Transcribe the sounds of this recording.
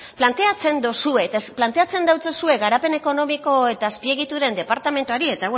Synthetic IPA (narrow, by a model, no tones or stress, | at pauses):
plant̪e̞at͡se̞nd̪osue̞t̪plant̪e̞at͡se̞nd̪awt͡sosue̞ɡaɾape̞ne̞ko̞no̞miko̞e̞t̪aːspie̞ɣ̞it̪uɾe̞nd̪e̞paɾt̪ame̞nt̪uaɾie̞t̪aw